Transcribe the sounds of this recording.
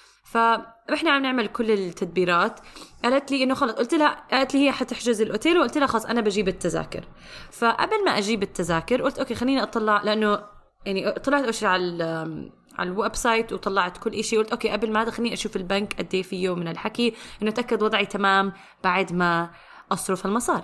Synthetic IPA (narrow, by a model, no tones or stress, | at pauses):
faʔɪħnaʕamnɪʕmalkʊlːɪt̪ʰːad̪̚biːɾˤɑːt̪ʔaːlat̪liːʔɪnːʊxɑlːɑsˤʔʊlt̪lahaʔaːlat̪lihɪjːaħat̪ɪħd͡ʒʊzɪlʔoːt̪eːlwʔʊlt̪lahaxɑlɑsˤʔanabad͡ʒiːbɪt̪ːaza̰ːkʊ̰ɾ | faʔa̰blmaʔaʒiːbɪt̪ːazaːkʊɾʔʊlt̪ʔoːkeːxalːiːniʔɑt̪ˤɑlːɑʕlɪʔanːo | jaʕniʔt̪ˤːɑlːɑʕt̪ʔaːʃʕal | ʕa̰llwabsˤɑjt̪wt̪ˤɑlːɑʕt̪kʊlːʔaʃiwʔʊlt̪ʔoːkeːʔablmahaːd̪axanːiːniʔaʃuːfɪlbankʔad̪ːeːfijowmɪnɪlħakiʔɪnːʔt̪ʔakːad̪wɑd̪ˤʕit̪amaːm | b̥aʕd̪ma | ʔɑsˤɾʊfalmɑsˤɑːɾˤ